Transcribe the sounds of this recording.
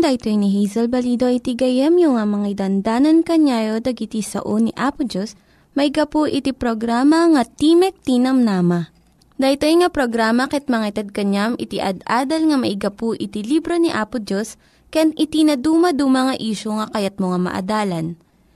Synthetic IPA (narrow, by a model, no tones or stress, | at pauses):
d̪aʔt̪ojniɦijzɛlbɐlid̪o̞ʔit̪iɡɐjɛmjʊŋamɐŋad̪ɐnd̪aːnɐnkɐɲaːjod̪ɐɡɪt̪isɐ̰ʔoniʔaːpʊd͡ʒos | mɐʔɪɡɐpoʔɪt̪ipɾoɡɾaːmɐŋɐt̪imɛk̚t̪inɐmnaːmɐ | d̪ɐjt̪ojŋɐpɾoɡɾaːmɐkɛt̪̚mɐŋat̪ɐd̪̚kɐɲamʔɪt̪iʔɐ̰d̪ʔaːd̪ɐlŋɐmɐʔɪɡɐpoʔɪt̪ilibɾo̞niʔaːpʊd͡ʒos | kɐjanʔɪt̪inɐd̪uːmɐd̪umɐŋɐʔiːʃoŋɐkɐjat̪̚moŋamɐ̰ʔɐ̰d̪aːlɐn